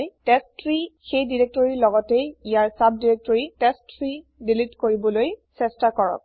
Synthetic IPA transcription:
jtɛstɹixejdiɹek̚tɔɹilɔɡɔtejijaɹsab̚diɹek̚tɔɹitɛstɹi | dilitkoɹibɔlojsɛstakɔɹɔ̰k̚

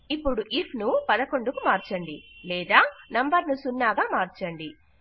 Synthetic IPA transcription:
ipːuɽuʔipʰnupɐd̪ɐko̞ɳɖukumaːɾt͡ʃɐɳɖilɛːd̪aːnɐmbɐɾnusunːaːɡaːmaːɾt͡ʃɐɳɖi

